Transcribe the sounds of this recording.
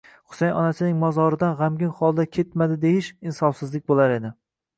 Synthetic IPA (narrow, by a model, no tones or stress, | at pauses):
χʊ̥sajɒ̰nasɪnɪŋmɒzɒɾɪd̪anʁamɡʲɪnχɒlˠd̪akʲʰet̪mad̪ɪd̪e̞jɪʃɪnsɒfsɪzlɪk̚ʲbolaɾe̞d̪ɪ